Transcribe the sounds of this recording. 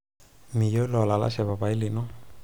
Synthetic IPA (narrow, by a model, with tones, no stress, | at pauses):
mi˨jo˦lɔ˨la˨la̰˦saba˨pai˦linɔ˦